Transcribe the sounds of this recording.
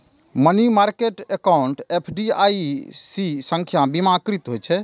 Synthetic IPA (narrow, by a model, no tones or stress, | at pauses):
mənimaɾkeʈekauɳʈepʰɖiaisisə̃ŋkʰjabimakɾit̪ɦojt͡ʃʰɛ